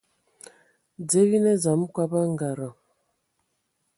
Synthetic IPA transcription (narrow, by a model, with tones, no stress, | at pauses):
d͡ze˦ɣi˦nɛ˦za˨m˦kwa˦ba˦ŋ˦ɡa˨ɾa˨